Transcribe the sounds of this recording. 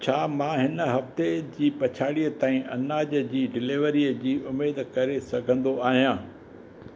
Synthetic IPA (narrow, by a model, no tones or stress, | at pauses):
t͡ɕʰaːmãːɦɪnə̆ɦɐft̪ed͡ʑiːpɐt͡ɕʰaːɽiət̪aːĩʔɐnaːd͡ʑəd͡ʑiːɖɪleːʋəɾiəd͡ʑiːʔʊmeːd̪kɐɾesɐɡʱə̃nd̪oaːɦijãː